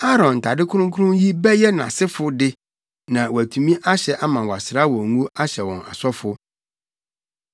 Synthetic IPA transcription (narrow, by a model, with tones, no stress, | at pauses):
a˦ɾɔ̃˨n̩˨tʰa˨dɪ˦kʰʊ˦ʊ̃˦ŋkʰʊ˦ɾʊ̃˦ji˦bɛ˦jɛ˦nã̰˨sɪ˦fʊ˦dɪ˦ | nã˨wɔ˨æ˨tʰu˨mĩ˦ʔa˦ɕɛ˨ʔa˦mã˨wɔ˨a˨sɪɾa˦wɔ̃˨ŋũ˦a˦ɕɛ˨wɔ̰̃˨ŋa̰˨sɔ˦fʊ˨